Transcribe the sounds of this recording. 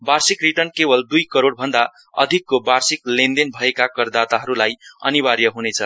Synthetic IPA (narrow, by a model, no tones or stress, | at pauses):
barsikriʈʌnkebʌld̪ujkʌɾoɽbʱʌnd̪a | ʌ̰d̪ʱikːobarsiklend̪enbʱʌekakʌrd̪at̪aɦʌɾulajʌ̰nibaɾjʌɦunet͡sʰʌ